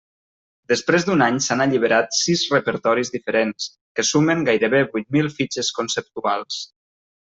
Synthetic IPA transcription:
d̪əspɾezd̪unaɲsanəʎiβ̞əɾat̪sizrəpəɾt̪ɔɾizðifəɾens | kəsuməŋɡajɾəβebujt̪̚milˠfid͡ʒəskunsəp̚t̪ualˠs

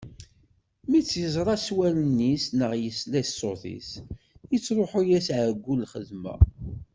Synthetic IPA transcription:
mit͡sːjəzˤɾˤɑswælənːisnəʁjəslæssoθḭs | jət͡sːɾˤoħujæsʕəɡʷːulχəðmæ̰

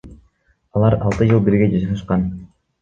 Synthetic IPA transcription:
ɑlˠɑɾɑlˠt̪ɯd͡ʒɯlˠbiɾɡʲe̞d͡ʒɑʃɑʁɑʃqɑn

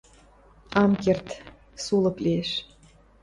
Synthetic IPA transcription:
ɑmkert̪ | sulɤ̆klieʃ

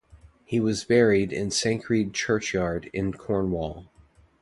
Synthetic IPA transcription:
hiwʌzbɛɹiɾɪ̰̃nsæ̃ŋkʰɹ̥id̚t͡ʃʰɜ˞t͡ʃjɑɹɾɪ̃nkʰɔɹnwɔlˠ

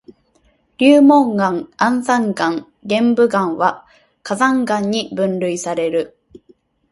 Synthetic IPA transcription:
ɾʲɨːmõŋɡãŋãnzãŋɡãŋ | ɡẽ̞mbɯ̟ɡãɰ̃βa | kazãŋɡãɲ̟ːibɯ̟̃nɾɯ̟isaɾe̞ɾɯ̟

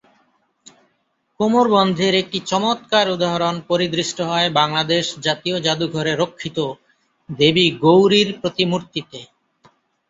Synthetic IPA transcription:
komoɾbɔnd̪ʱeɾek̚ʈit͡ɕɔmot̪kaɾud̪aɦɾonpoɾid̪ɾiʃʈoɦɔebaŋlad̪eʃd͡ʑat̪iod͡ʑad̪uɡʱɔɾeɾokʰːit̪o | d̪ebiɡowɾiɾpɾot̪imuɾt̪it̪e

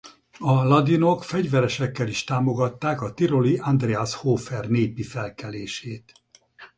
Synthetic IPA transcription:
ɒlɒd̪ino̞kfɛɟvɛɾɛʃɛkːɛliʃt̪aːmoɡɒt̪ːaːkɒt̪iɾo̞liand̪reashoːfɛrneːpifɛlkɛleːʃeːt̪

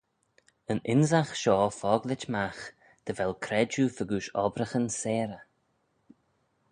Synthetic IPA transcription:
ənɪnzaxʃɔːfɔːɡlɪt͡ʃmax | d̪̥əvɛlkʰɾɛd͡ʒufəɡuːʃɔ̰bɾəxənseːɾə

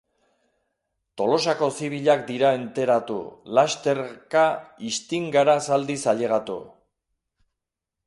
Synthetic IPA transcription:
t̪o̞lo̞sako̞siβ̞iʎak̚d̪iɾae̞nt̪e̞ɾat̪ṵlast̪e̞ɾkaist̪iŋɡaɾasald̪isaʎe̞ɣ̞at̪ṵ

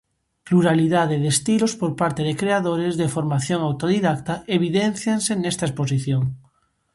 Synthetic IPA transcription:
pluɾaliðað̞eðest̪ilospoɾpaɾt̪eðekɾeaðoɾezðefoɾmaθjoŋawt̪oð̞iðak̚t̪aeβiðen̟θjansenest̪aespos̬iθjoŋ

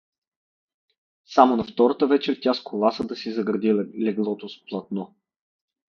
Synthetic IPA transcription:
samonɐft̪ɔɾət̪əvɛt͡ʃɛɾt̪ʲaskʰolˠasəd̪ɐsizɐɡɾɐd̪illɛɡlˠɔt̪osplˠɐt̪nɔ

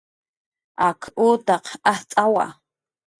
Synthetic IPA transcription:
akʰuːt̪ɑqaht͡sʼawa̰

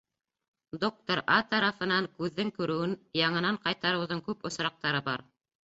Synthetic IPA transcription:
d̪ok̚t̪oɾɑt̪ɑɾɑfɤ̆nɑŋkʉðːɘŋkʉɾɘ̆wɘnjɑɴɤ̆nɑɴqɑjt̪ɑɾɤ̆wðɤŋkʉpŏsɾɑq̚t̪ɑɾɤbɑ̰ɾ

